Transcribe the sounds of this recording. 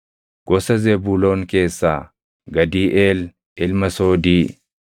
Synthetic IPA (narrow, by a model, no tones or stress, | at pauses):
ɡ̥ɔsɐzebuːloːŋke̞ːsːaː | ɡɐd̪iːʔeːl | ʔɪlmɐsoːd̪iː